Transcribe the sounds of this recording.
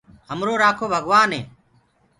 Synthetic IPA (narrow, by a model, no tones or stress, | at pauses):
ɦəmɾoːɾaːkʰoːbʱəɡʋaːnɦeː